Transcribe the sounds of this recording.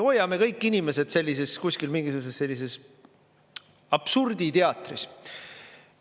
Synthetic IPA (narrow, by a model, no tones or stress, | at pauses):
o̞jːɑme̞kɤjkːˑinime̞se̞d̪̥se̞lʲːise̞skusʲkilmiŋɡis̬uːs̬esːe̞lːis̬es | ɑb̥surd̪̥it̪e̞ɑt̪ˑris